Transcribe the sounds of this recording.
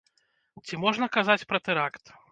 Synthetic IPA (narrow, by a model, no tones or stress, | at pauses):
t͡sʲimɔʐnɐkazat͡sʲpɾɐt̪ɛɾakt̪